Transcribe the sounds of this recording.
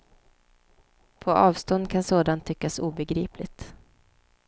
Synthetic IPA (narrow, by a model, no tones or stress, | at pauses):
pʰɔʔɑːvst̪ɔnd̪̚kʰansoːd̪ant̪ʰːʏkːasuːbɛɡɾiːplɪt̪